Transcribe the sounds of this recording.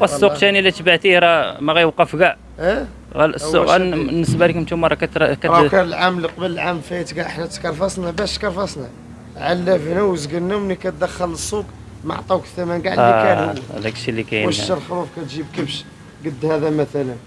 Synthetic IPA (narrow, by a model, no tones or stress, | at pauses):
wæsˤːuq̚t̪ænilːit̪baʕt̪ihɾˤɑmæɣæjwqɑfɡæʕ | ʔæ | ɣæ̰ləsːʊɣæ̰lnːəsbælikʊmt̪umɑɾˤɑkæt̪kæɾˤɑkænəlʕamlqbələlʕamfæət̪ɡaʕəħnæt̪kɑɾˤfɑsnæbæʃt̪kɑɾˤfɑsnæ | ʕalːæfnæwəzɡəlnːæwmənːikæt̪̚d̪æxːələsːuk | ma̰ʕt̪ˤɑwkt̪æmænɡaʕlːiææ̰d̪ækʃilːikæjəʃəlxɾufkæt̪ʒibkəbʃ | ɡəd̪ːhæd̪æmæt̪ælən